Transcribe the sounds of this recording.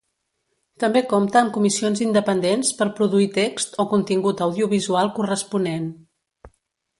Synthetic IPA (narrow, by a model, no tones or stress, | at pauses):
t̪əmbekomt̪əːmkumisionzind̪əpənd̪enspəɾpɾuðuit̪ekst̪okunt̪iŋɡut̪əwðiuβizualˠkurəspunen